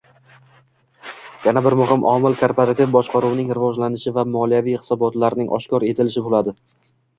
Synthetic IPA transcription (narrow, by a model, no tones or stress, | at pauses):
janabɪɾmʊɦɪmʔɒmɪlkʰoɾpoɾat̪ɪvbɒʃqɑɾuwnɪŋɾɪvɒʒlanɪʃɪvamɒlijavijhɪ̥sɒbɒt̪laɾnɪŋʔɒ̰ʃkʲɒɾe̞t̪ʰɪlɪʃɪbolad̪ɪ